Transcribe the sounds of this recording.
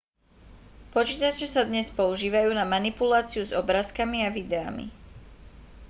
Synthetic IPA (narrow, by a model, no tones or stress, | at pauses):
pɔt͡ʃiːt̪at͡ʃɛsad̪ɲɛspɔuʒiːʋajuːnamanipulaːt͡siuzɔbɾaːskamiaʋid̪ɛa̰mḭ